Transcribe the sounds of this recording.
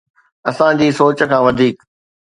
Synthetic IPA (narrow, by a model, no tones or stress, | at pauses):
ɐsãd͡ʑiːsoːt͡ɕə̆kʰãːʋɐd̪ʱiːk